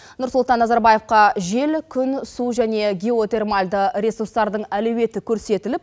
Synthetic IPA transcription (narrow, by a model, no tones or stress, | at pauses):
nʊɾsʊlˠt̪ɑnːɑzɑɾbɑje̞fqɑʒe̞lkʲʰʏnsuʒæne̞ɡʲeo̞t̪e̞rmɑlʲd̪əɾesurst̪ɑɾd̪əɴælɵwe̞t̪ɪkʲʰɵɾse̞t̪ɪlɪp̚